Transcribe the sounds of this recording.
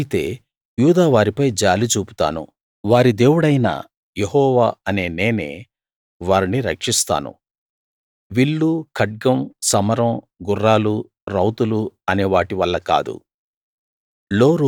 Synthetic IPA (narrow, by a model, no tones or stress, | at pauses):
it̪e̞̰ː | juːd̪aːʋaːɾipɐjd͡ʒaːlit͡ʃuːpu̥t̪a̰ːnṵ | ʋaːɾid̪e̞ːwuɽɐjnɐ̰ | jeɦɔːʋaːɐne̞ːne̞ːne̞̰ː | ʋaːɾiniɾɐkʂist̪a̰ːnṵ | ʋiɭːukʰɐɖ̚ɡɐmsɐmɐɾɐm | ɡurːaːlu | ɾɐwt̪uluɐneːʋaːʈiʋɐlːɐka̰ːd̪ṵ | lo̞ːɾ